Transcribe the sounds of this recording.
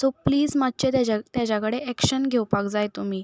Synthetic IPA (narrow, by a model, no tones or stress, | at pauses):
sopliːd͡zmad̪̚t͡ɕet̪at̪jat͡ɕakəɽeʔɛkɕənɡʱewpakd͡zajt̪umiː